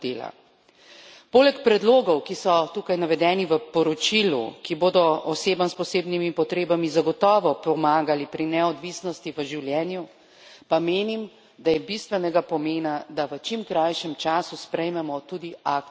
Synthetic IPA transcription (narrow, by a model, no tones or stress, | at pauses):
d̪eːla̰ | poːlɛkpɾɛd̪loːɡɔwkisɔt̪ukajnaʋɛd̪ɛːniʋəpɔɾɔt͡ʃilṵkiboːd̪ɔɔseːbamspɔseːbnimipɔt̪ɾeːbamizaɡɔt̪ɔːʋɔpɔmaːɡalipɾinɛɔd̪ʋisnɔst̪iʋəʒiwljɛːnju | pameːnim | d̪ajɛbist̪ʋɛnɛɡapɔmeːnad̪aʋət͡ʃimkɾajʃɛmt͡ʃaːsuspɾɛjmɛmɔt̪uːd̪iak̚